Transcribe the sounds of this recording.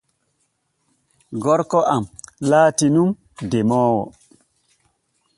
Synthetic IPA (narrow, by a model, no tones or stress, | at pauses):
ɡɔɾkɔʔamlaːtinum | demɔːwɔ̰